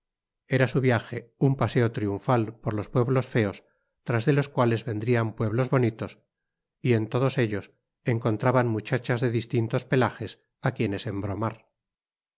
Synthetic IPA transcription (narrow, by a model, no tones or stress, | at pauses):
e̞ɾasuβjaxe̞umpase̞o̞t̪ɾiuɱfalpo̞ɾlo̞spwe̞βlo̞sfe̞o̞s | t̪ɾazðe̞lo̞skwale̞zβe̞nd̪ɾiampwe̞βlo̞zβo̞nit̪o̞s | ie̞nt̪o̞ð̞o̞se̞ʎo̞s | e̞ŋko̞nt̪ɾaβanmut͡ʃat͡ʃazðe̞ðist̪int̪o̞spe̞laxe̞s | akje̞ne̞se̞mbɾo̞maɾ